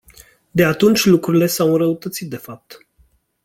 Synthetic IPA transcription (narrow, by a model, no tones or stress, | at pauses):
d̪e̞at̪unt͡ʃʲlukɾuɾile̞sawɨnɾəut̪ət̪sit̪̚d̪e̞fap̚t̪